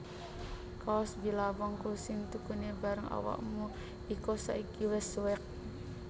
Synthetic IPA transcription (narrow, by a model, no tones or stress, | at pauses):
kaɔsbilabɔŋkusɪŋt̪ukunibaɾəŋa̰wa̰ʔmu | ikosa̰ʔikiwɛswɛk̚